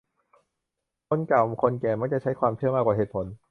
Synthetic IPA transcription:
kʰo˧nka˨˩wkʰo˧nkɛː˨˩ma˦˥˩kt͡ɕa˨˩t͡ɕʰa˦˥jkʰwaː˧mtʰɯ˥˩əmaː˧kwaː˨˩ɦeː˨˩t̪̚pʰo˨˩˦n

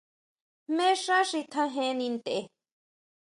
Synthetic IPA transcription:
mẽ˦ʂa˦ʂi˧t̪ʰã˧ɦẽ˧nĩ˧nd̪e˨e˧

